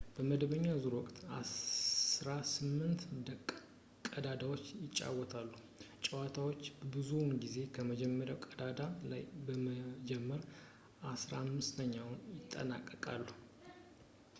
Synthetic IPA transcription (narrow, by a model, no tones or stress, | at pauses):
b̥əməd̪βəɲːazuɾwɔkʼt̪a̰ | ɾasɨmːɨnt̪d̪ək | kʼəd̪ad̪awo̞t͡ʃːjɪt͡ʃʼːa̰wɔt̪ʰalːu | t͡ʃʼɛwat̪ʰawo̞t͡ʃːbbɨzunɡize̞kʰəməd͡ʒɛmːəɾjawkʼəd̪ad̪ala̰jbəməd͡ʒɛmːəɾ | ʔasɾamːɨst̪ʰəɲːawnjɪt̪ʼːə̰na̰kʼːəkʼa̰lːu